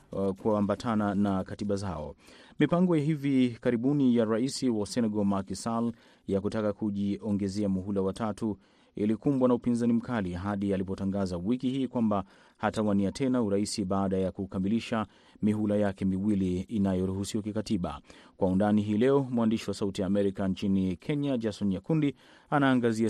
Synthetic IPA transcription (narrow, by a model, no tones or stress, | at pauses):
kuambatʰananakatiɓazaɔ̰mipaŋɡɔjaɦivikaɾiɓunijaɾaisiwasɛnɛɡɔmakisal | jakutakakuʄiɔŋɡɛzɛamuɦulawatʰatu | ḭlikumbwanaupinzanim̩kaliɦaɗialipɔtaŋɡazawikihiːkwamba | hatawaniatʰɛnauɾaisiɓaːɗajakukamiliʃa | miɦulajakɛmiwiliːnajɔɾuɦusiwakikatiɓa̰kwaundaniɦiːlɛɔmwandiʃiwasautijaːmɛɾikant͡ʃinikʰɛɲad͡ʒasɔnjakundi | anaːŋɡazia